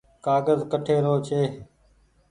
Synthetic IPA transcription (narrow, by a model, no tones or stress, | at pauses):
kaːɡəzkəʈʰeːɾoːt͡ʃʰeː